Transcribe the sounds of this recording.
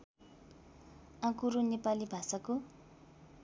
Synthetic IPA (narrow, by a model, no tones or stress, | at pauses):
ãkurunepalibʱasako